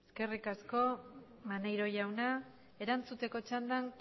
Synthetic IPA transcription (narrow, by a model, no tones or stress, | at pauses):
eske̞rikasko̞ | manajɾo̞jawna | e̞ɾant͡sut̪e̞ko̞t͡ʃand̪aŋ